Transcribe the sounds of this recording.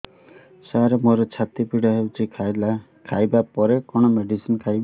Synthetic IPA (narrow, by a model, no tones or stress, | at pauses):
saaɾemoɾɔt͡ʃʰat̪ipiɽɔɦewt͡ʃʰikʰajla | kʰajbapɔɾekɔɽ̃ɔmeɖisinkʰajba